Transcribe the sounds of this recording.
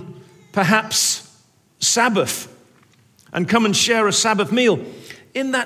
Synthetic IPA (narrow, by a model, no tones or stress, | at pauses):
pʰəɦæpsː | æbəθ | ʔə̰̃nkʰʌ̃mə̃nʃɛɹɨsæbəθmiːlˠɪ̃nðə